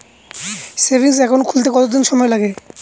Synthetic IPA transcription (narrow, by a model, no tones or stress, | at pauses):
sebʱiŋs̬ɛkʰonkʰult̪̬ekɔt̪od̪inʃɔmɔelaɡe